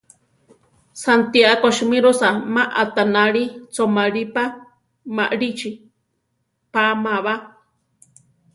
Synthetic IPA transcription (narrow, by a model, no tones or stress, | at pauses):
sant̪iaʔakoʃimĩɾosamãʔat̪anaɺit͡somaɺipa | maʔɾit͡ʃi | pamãβa